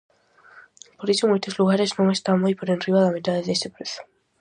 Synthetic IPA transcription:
poɾisomujt̪ozluɣ̞aɾeznõŋest̪amojpoɾenriβaðamet̪aðeðest̪epɾeθo̥

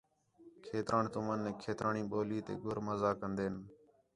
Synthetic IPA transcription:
kʰeːt̪ɾʔaːɳt̪ʊmənːeːkʰeːt̪ɾʔaːɳĩːɓoːliːt̪ḛːɡʊɾməzaːkənd̪eːn

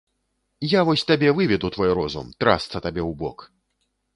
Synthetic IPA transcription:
javɔsʲt̪abʲɛvɨvʲɛd̪ut̪vɔjɾɔzṵmt̪ɾa̰st̪sɐt̪abʲɛwbɔk

